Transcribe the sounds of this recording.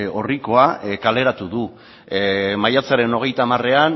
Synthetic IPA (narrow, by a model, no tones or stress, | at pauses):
o̞riko̞akale̞ɾat̪uðu | majat͡saɾe̞no̞ɣ̞e̞jt̪amare̞an